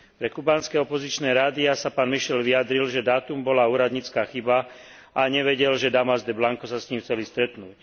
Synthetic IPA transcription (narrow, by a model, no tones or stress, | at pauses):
pɾɛkubaːnskɛɔpɔzit͡ʃnɛːɾaːd̪iasapaːnmiʃɛlʋiad̪ɾilʒɛd̪aːt̪umbɔlauːɾad̪ɲit͡skaːxiba | ʔaɲɛʋɛɟɛlʒɛd̪amazd̪ɛblaŋkɔsasɲimxt͡sɛlist̪ɾɛt̪nuːc